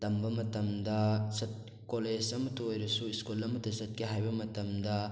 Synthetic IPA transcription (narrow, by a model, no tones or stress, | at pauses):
tɐmbɐmɐtɐmdɐsɐt̚ | koled͡ʒɐmɐtoojɾɐsuiskulɐmɐtɐsɐt̚keɦajbɐmɐtɐmdɐ